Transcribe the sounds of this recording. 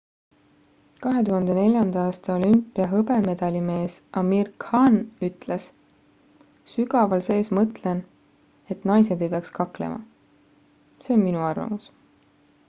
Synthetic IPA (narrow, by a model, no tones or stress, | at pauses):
kɑɦe̞t̪uhɑnd̪̥e̞ne̞lʲjɑnd̪̥ɑɑːst̪ɑo̞lympːˑiɑɦɤbe̞me̞d̪̥ɑlʲime̞ːsʔɑmirkhɑnyt̪ˑles | syɡɑvɑlse̞ːsmɤt̪ˑlen | e̞t̪nɑjs̬e̞d̪e̞jpeɑkskɑklḛmʔɑ̰ | se̞onminuɑrvɑ̰mus